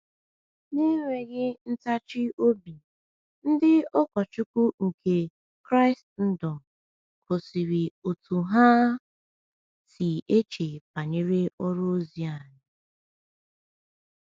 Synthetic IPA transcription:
ni˦ŋʷe˨ɣɪ˦n̩˦ta˦t͡ʃɪ˦ʔo˦bi˨ | n̩˦dɪ˦ɔ˦kɔ˨t͡ʃu˦kʷu˦ŋ̩˨ke˨ | kɾa˦ɪ˨stn̩˦dɔ˨ | ko˨si˨ɾi˨o˨tu˨ɦa˦ | si˨e˦t͡ʃe˨pa˨ɲe˦ɾe˦ɔ˦ɾo˦zi˨a˨ɲɪ˨

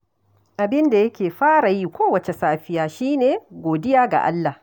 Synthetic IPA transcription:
ʔa˨bɪ˦nda˨jɐ˦kʲeː˨ɸaː˦ɾa˨ji˦kʷʰoː˦wɐ˨t͡ʃɛ˨saː˦ɸɪ˦jaː˨ʃiː˦neː˨ɡʷoː˨dɪ˦jaː˦ɡa̰˨ʔa̰˦lːa˨

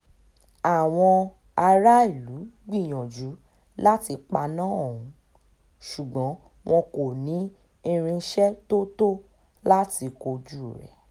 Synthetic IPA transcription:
a˨w̃ɔ̃˧ | a˧ɾa˦i˦˨lu˨˦ɡ͡bi˦˨j̃ɔ̃˨d͡ʒu˨˦ | la˦ti˧k͡pa˧nãː˦ɔ˦˨ũ˨˧˦ | ʃu˨ɡ͡bɔ̃˨˦ | w̃ʔɔ̃˧ko˨nĩ˨˦ | i˧ɾ̃ĩ˧˦ʃɛ˦to˦to˦ | la˦ti˧ko˧d͡ʒu˦ɾɛ̰˨

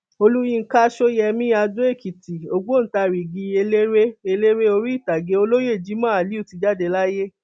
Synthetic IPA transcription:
o˧lu˦jĩ˦˨ŋ̩˨˦ka˦ʃo˦jɛ˧mĩ˦a˧du˦e˦˨ki˨ti˨o˨ɡ͡bo˦n̩˨ta˧ɾi˨ɡi˧e˧le˦ɾe˦e˧le˦ɾe˦o˧ɾi˦i˦˨ta˨ɡe˨˦o˧lo˦je˦˨d͡ʒi˨˦mã˦˨a˨li˨˦u˦˨ti˨˧d͡ʒa˦de˧la˦je˦

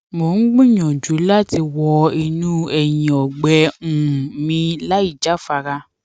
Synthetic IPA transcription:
mo˨˦n̩˦ɡ͡bũ˦ɲɔ̃˨d͡ʒu˨˦la˦ti˧wɔ˧i˧nũ˦ɛ˨jĩ˨ɔ˨ɡ͡bɛ˧˦ũ˨mĩ˧la˦i˦˨d͡ʒa˦fa˧ɾa˧

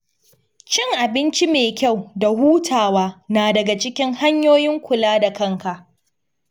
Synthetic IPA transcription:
t͡ʃɪ˦ŋʔa˨bɪ˦nt͡ʃi˦meː˨kʲa˦˨wda˨huː˦tʰaː˨waː˦naː˨dɐ˨ɡa˨t͡ʃɪ˦kʲɪ˦ŋha˦ɲjoː˦jɪ˦ŋkʷʊ˨laː˦da˨kɐ˦ŋka˨ʔ

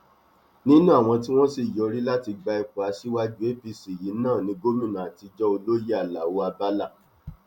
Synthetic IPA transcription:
nĩ˦nũ˦a˦˨w̃ɔ̃˧ti˦w̃ɔ̃˦si˦˨jɔ˧˨ɾi˦la˦ti˧ɡ͡ba˧i˧ku˨a˧si˦wa˦d͡ʒu˦e˦pi˧si˨ji˨˦nãː˦˨nĩ˧ɡo˦mĩ˦˨nã˨a˨ti˨˧d͡ʒɔ˦o˧lo˦ji˦a˦˨la˨wo˦a˧ba˦la˦˨

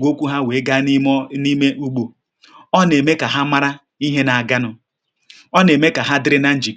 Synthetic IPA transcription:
ɡʷo˦kʷu˦ɦa˦we˨˦ɡa˦ni˦me˦ʔu˦ɡ͡bo˨ | ɔ˦ne˨me˦ka˨ɦa˦ma˦ɾa˦ | i˦ɦe˦na˨a˨ɡa˦nʊ˦ | ɔ˦ne˨me˦ka˨ɦa˦dɪ˦ɾɪ˦na˦n̩˦d͡ʒi˨

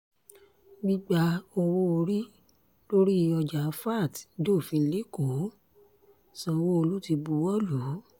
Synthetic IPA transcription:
mĩ˧ɡ͡ba˧˦o˧wo˧ɾi˦ | lo˦ɾi˦˧ɔ˧d͡ʒa˨˦fa˦˨tdo˦˨fĩ˧li˦ko˨˦ | sɔ̃˧wo˧o˧lu˦ti˧bu˧˦wɔ˦lu˨˦

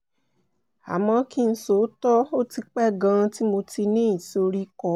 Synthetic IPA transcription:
a˨mɔ̃˧ki˦n̩˨˧so˨˦tɔ˦o˦ti˧k͡pɛ˦˨ɡã˧ti˦mo˧ti˧nĩ˦ĩ˨so˧ɾi˦kɔ˦

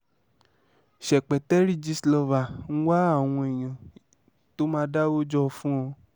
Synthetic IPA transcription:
ʃɛ˨k͡pɛ˨tɛ˦ɾi˦d͡ʒi˧slɔ˧va˨n̩˦wa˦a˦˨w̃ɔ̃˧e˨j̃ã˨ | to˦mãː˦da˦wo˦d͡ʒɔ˦˧fũ˦ɔ̃˧

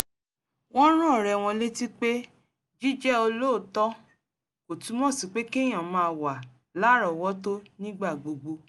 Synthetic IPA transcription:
w̃ɔ̃˦ɾ̃ã˦˨ɾɛ˧˨w̃ɔ̃˧le˦ti˦k͡pe˦ | d͡ʒi˦d͡ʒɛ˦o˧lo˦˨tɔ˦ | ko˨tũ˨˦mɔ̃˦˨si˨˦k͡pe˦ke˦˨j̃ã˨mã˨˧˨wa˨ | la˨˦ɾɔ˨wɔ˦to˦nĩ˦ɡ͡ba˦˨ɡ͡bo˨ɡ͡bo˧

